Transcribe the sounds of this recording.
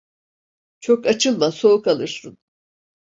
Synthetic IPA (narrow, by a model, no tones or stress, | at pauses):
t͡ʃʰo̞kat͡ʃʰɯlˠmaso̞ukalˠɯɾsɯn